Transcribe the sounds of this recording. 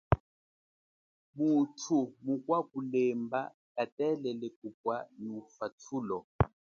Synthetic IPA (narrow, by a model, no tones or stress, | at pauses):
butʰumukwakulɛmba | katɛlɛlɛkup̚wanufatʰulɔ